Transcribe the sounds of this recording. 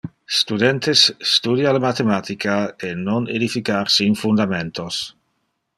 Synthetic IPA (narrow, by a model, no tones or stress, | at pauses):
st̪ud̪ent̪esːt̪ud̪jalamat̪emat̪ikʰaenoned̪ifikaɾsinfund̪ament̪os